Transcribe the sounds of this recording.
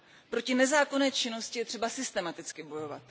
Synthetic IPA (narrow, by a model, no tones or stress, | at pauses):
pɾo̞cɪnɛzaːko̞nɛːt͡ʃɪno̞scɪjɛt̪r̥ɛbasɪst̪ɛmat̪ɪt͡skɪbo̞jo̞va̰t̪